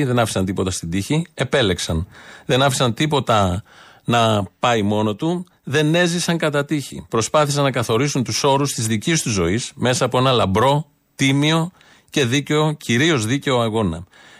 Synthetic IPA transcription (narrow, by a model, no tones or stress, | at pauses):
ðe̞nɐfi̥sɐnt̪ipo̞t̪ɐst̪id̪içie̞pe̞le̞ksɐnðe̞nɐfi̥sɐnt̪ipo̞t̪ɐ | nɐpɐimo̞no̞t̪u | ðe̞ne̞zisɐŋkɐt̪ɐt̪içḭpɾo̞spɐθisɐnːɐkɐθo̞ɾisunt̪uso̞ɾust̪izðicist̪uzːo̞isme̞sɐːpo̞e̞nɐlɐmbɾo̞ | t̪imio̞ | ce̞ðiceo̞cʰiɾio̞zðice̞o̞ɐɣo̞nɐ̰